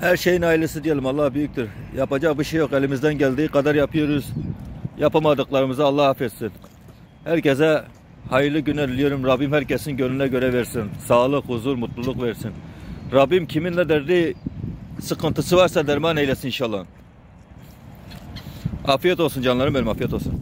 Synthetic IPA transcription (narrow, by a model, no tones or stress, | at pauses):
hæɾʃejinɑilˠɛsɨd̪ijɛlʲimɑlˠːɑhbyjyk̚ʲt̪yɾjɑpɑd͡ʒɑqbuʃejoqɛlɪmizd̪ɛnɟʲæld̪iqʰɑd̪ɑɾjɑpʰɯjoɾuzjɑpɑmɑd̪ɯqlˠɑɾɯmɨzɑːlˠːɑhɑfet̪sɪn | hæɾkʲʰɛzɛ | hɑjɯlˠɨɡʲynɛd̪ilijoɾumɾɑbimhæɾkʲʰɛsnɪnɡʲølinɛɡʲøɾɛveɾsɪnsɑːlˠɯqhuzuɾmut̪lˠulˠuqveɾsinɾɑbimkʲʰiminlɛd̪ɛɾd̪ɪ | sɨqʰɯnt̪ɯsɯvɑɾsɑd̪ɛɾmɑːnɛjlɛsininʃɑlˠːɑ | ɑːfijɛt̪o̞lˠsund͡ʒɑnlˠɑɾɯmbɛnimɑfijɛt̪o̞lˠsun